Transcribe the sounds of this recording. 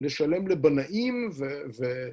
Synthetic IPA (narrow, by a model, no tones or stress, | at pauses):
leʃalemlebanaʔimveve